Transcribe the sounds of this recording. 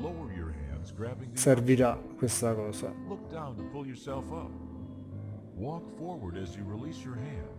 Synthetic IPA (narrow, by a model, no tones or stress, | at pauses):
loʊə˞jɔ˞ɦæ̰̃ndzɡɹæbɪ̃ŋseɾviɾakwest̪akoːsa̰lʊk̚d̥ãʊ̃npʰʊlˠjə˞sɛlˠfʌp̚ | wɔkfɔɹwə˞ɾɨzjɨɹilisjɔ˞ɦæ̃nd̥